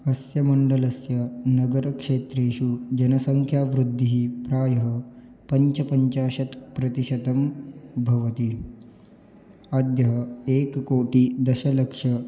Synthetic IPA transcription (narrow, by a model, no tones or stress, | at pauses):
ɐsjɐmɐɳɖɐlɐsjɐnɐɡɐɾɐkʂeːt̪ɾeːʃud͡ʒɐnɐsɐŋkʰjaːʋɾud̪ʱːiɦipɾaːjɐɦɐ | pɐɲt͡ʃɐpɐɲt͡ʃaːɕɐt̪pɾɐt̪iʃɐd̪ɐmbʱɐʋɐt̪i | ɐd̪jɐɦɐeːkkoːʈiːd̪ɐʃɐlɐkʂɐ